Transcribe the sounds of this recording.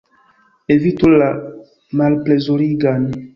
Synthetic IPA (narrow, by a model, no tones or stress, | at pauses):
evitola | malplezoɾiɡani